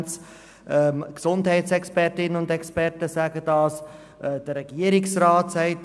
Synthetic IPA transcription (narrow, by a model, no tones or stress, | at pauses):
nt͡s | ɛmksʊndhɛɪtsɛkspɛɾtɪnənʊndɛkspɛɾtəsæɡədɑːs | ʔɛd̥əɾːɛɡ̥iəɾɪksraːtsɛɪt